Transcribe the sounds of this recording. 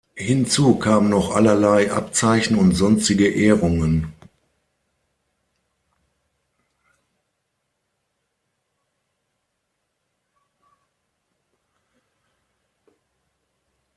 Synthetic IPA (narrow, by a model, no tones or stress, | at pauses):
hɪnt͡suːkʰaːmənɔχʔa̰lɐlaɪʔa̰pt͡saɪçn̩ʊntz̥ɔnstɪɡəʔeːʁʊŋən